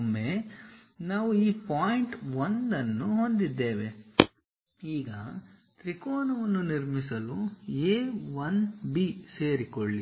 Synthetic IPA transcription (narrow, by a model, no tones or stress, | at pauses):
mːe | naːʋuiːpaːjiɳʈʋond̪ɐnːuɦo̞nd̪id̪ːeːʋe | iːɡɐ | t̪ɾikoːnɐʋɐnːuniɾmisɐlueːʋɐnbiːse̞ːɾikoɭːi